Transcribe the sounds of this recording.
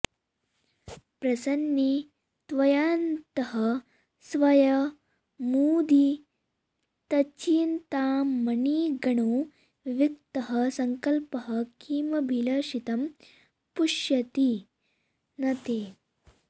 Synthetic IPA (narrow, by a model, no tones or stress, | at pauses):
pɾɐsɐnji | t̪ʋɐjaːnt̪ɐɦɐ | sʋɐjɐ | muːd̪i | t̪ɐt͡ʃiːnt̪aːɐniːɡɐɳoː | ʋik̚t̪ɐɦɐsɐŋkɐlpɐɦɐkʰiːmɐbʱilɐʃit̪ɐm | puʂjɐt̪i | nɐt̪eː